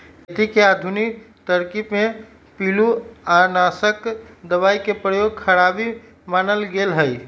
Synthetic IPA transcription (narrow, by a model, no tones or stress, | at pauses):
t̪ikead̪ʱunik | t̪əɾkipme | piluanasəkd̪əβaikepɾəjoɡ̚kʰəɾabi | manəlɡelɦəj